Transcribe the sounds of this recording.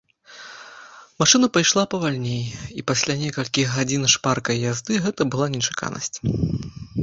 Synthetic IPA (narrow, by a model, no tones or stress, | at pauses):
maʂɨnɐpajʂlˠapɐvalʲnʲejipasʲlʲanʲɛkɐlʲkʲiɣɣad͡zʲinʂparkɐjjazd̪ɨɣɛt̪ɐbɨlˠanʲɛt͡ʂḁka̰nɐ̰sʲt͡sʲ